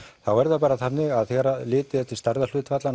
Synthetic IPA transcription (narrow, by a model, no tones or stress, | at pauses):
θawɛɾðapaːɾaθapnːɪɣaðθɛɾalɪːt̪ɪθɛt̪ːɪst̪aɾðalʏːt̪fat̪lan